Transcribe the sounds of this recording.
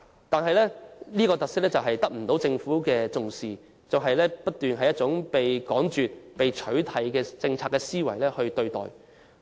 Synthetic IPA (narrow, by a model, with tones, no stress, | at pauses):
t̪aː˨nɦɐ˨jlɛː˥niː˥kɔː˧t̪ɐ˨ksɪ˥k̚lɛː˥t͡sɐ˨˩wɦɐ˨jt̪ɐ˥k̚m̩˨˩t̪o˨˥wt͡sɪ˧ŋfuː˨˥kɛː˧t͡sʊ˨ŋsiː˨ | t͡sɐ˨wɦɐ˨jlɛː˥pɐ˥t̚t̪yː˨nɦɐ˨jːɐ˥t̚t͡sʊ˨˥ŋpe˨jkɔː˨˥ŋt͡ʃyː˨t̚pe˨jt͡ʃʰɵ˨˥ɥt̪ʰɐ˨˥jkɛː˧t͡sɪ˧ŋt͡sʰaː˧˥kːɛː˧siː˥wɐ˨˩jlɛː˥hɵ˧ɥt̪ɵ˧ɥt̪ɔ̰ː˨˩j